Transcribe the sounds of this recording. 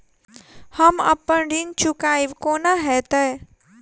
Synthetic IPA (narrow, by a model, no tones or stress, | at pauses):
həmə̰pːəɳɖiŋɡt͡ʃukaːiʋkoːnaɦɛt̪ə